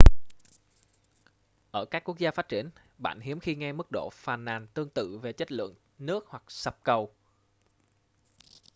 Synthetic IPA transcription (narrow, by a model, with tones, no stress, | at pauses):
ʔəː˧˩kaː˦˥kːu˦˥ək̚zaː˧faː˦˥t͡ɕi˧˩ən | ɓa̰ː˧˨nhi˨˦əmxi˧ŋɛ˧mɨ˦˥k̚ɗo̰˧˨faː˨˩nːaː˨˩nt̪ɨ˧əŋt̪ɨ̰˧˨ve˨˩t͡ɕə˦˥t̚lɨ̰˧˨əŋ | nɨ˦˥ək̚hwa˨˩k̚sə˨˩p̚kə˨˩w